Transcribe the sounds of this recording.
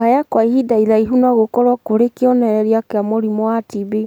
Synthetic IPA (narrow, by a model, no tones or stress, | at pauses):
ajakwaihidaiɾaiɦunaɣokɔɾwakoɾekeɔnɛɾɛɾiakeamoɾimɔwatibi